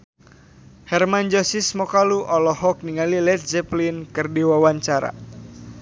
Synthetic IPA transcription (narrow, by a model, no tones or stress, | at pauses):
hɛrmand͡ʒɔsismɔkaluʔɔlɔhɔk̚niŋalilɛt̪̚sɛplinkɨrdiwawaɲt͡ʃaɾa̰